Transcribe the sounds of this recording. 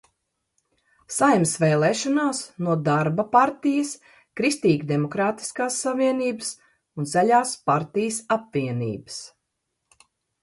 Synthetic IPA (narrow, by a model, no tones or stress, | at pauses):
sajmsvɛlˠɛːʃɔnaːsnuɔd̪aɾbapaɾt̪ijɐs | kɾist̪iːɡd̪emɔkɾaːt̪i̥skaːsːaviɛniːbəs | unzæʎʲaːspaɾt̪ijəsapviɛnḭːbə̥s